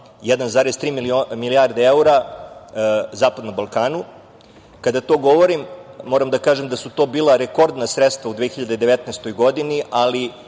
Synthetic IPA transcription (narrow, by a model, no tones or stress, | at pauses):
jɛd̪anzaːɾest̪ɾiːmiomiliaɾd̪eeuɾa | zaːpad̪nombalˠkaːnu | kad̪at̪o̞ːɡo̞ʋoɾimːoɾamd̪akaːʒemd̪asut̪o̞ːbiːlˠaɾeko̞ɾd̪nasɾet̪st̪ʋaud̪ʋexiʎad̪ed̪e̞ʋet̪nest̪o̞jɡo̞d̪iniʔali